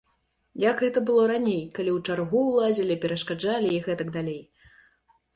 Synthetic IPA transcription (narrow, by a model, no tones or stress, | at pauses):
jakɣɛt̪ɐbɨlˠɔɾanʲejkalʲiwt͡ʂarɣuwlˠazʲilʲipʲɛɾɐʂkad͡ʐalʲiiɣɛt̪ɐɡd̪alʲej